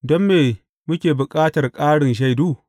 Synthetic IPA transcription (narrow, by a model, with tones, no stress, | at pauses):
dɔ˦mːeː˨ | mʊ˦kʲeː˨bʊ˨kʼaː˦tɐ˨rkʼaː˦ɽɪ˨nʃ̬a˦jduː˦